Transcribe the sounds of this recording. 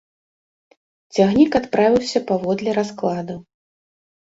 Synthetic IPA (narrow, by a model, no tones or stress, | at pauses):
t͡sʲaɣnʲikat̪pɾavʲiwsʲɐpavɔd̪lʲɛɾasklˠad̪ɐ